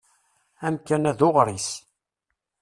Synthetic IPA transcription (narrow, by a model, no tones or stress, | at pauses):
æmkænæðoʁɾis